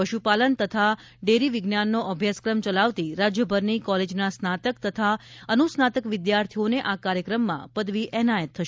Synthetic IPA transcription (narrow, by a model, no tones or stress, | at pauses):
pəʃupalənt̪ət̪ʰa | ɖeɾiʋɪɡnanːoʔəbʱjaskɾəmt͡ʃəlaʋt̪iɾad͡ʒjəbʱəɾnikɔled͡ʒnasnat̪əkt̪ət̪ʰaənusnat̪əkʋɪd̪jaɾt̪ʰioneʔakaɾjəkɾəmːã̰pəd̪ʋiʔɛnajət̪ʰːəʃ